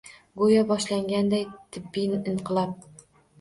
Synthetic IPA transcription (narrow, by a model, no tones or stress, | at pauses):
ɡojabɒʃlaŋɡʲand̪ajt̪ʰɪbːijnɪʔɪɴqʰɨlˠap̚